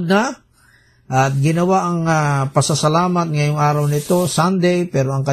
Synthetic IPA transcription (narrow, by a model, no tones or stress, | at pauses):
d̪̚na | ʔɐt̪̚ɡɪnɐwaʔɐŋapɐsɐsɐlaːmɐt̪̚ŋɐjoŋʔaːɾɐwnɪt̪o̞sand̪ɛjpɛːɾo̞ɐŋkɐ